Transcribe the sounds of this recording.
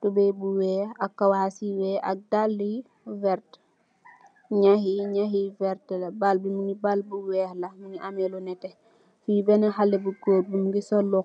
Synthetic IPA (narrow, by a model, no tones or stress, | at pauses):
tubɛjbuwɛːhakːawasiwɛʔa̰k̚dalːi | vɛɾt | ɲahiɲaɦivɛɾtlɐbalbimuŋibalbuwɛːhlɐmuŋiʔamɛlunɛtɛ | fibɛnɛɦalːɛbukoːt̚bumuɡisɔlːu